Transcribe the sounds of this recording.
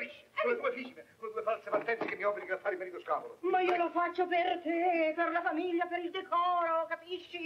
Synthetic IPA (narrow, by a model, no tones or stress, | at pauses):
piʃːi̥oned̪uefiːt͡ʃinesoned̪uːefalsepart̪ːɛnt̪sekemːiɔfeniŋɡɾat̪ːaɾimːɛɾit̪oskaːmolomaiːolofat͡ʃːopert̪eperlafamiʎːapeɾild̪ɛkɔːɾokapiʃːi